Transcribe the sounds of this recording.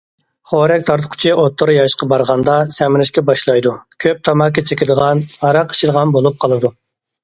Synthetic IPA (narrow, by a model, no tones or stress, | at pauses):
χoɾɛkʲt̪ʰɑɾt̪ʰʊ̥qʰʊ̥t͡ʃʰiʔot̪ʰːʊɾjɑʃqɑbɑɾʁɑnd̪ɑsɛmɪɾɪʃkʲɛbɑʃlˠɑjd̪ukʲʰøp̚t̪ʰɑmɑkʲːɑt͡ʃʰekʲld̪əʁɑnɑɾɑqʰːə̥ʃʰilˠʁɑnbolˠup̚qʰɑlˠɨd̪u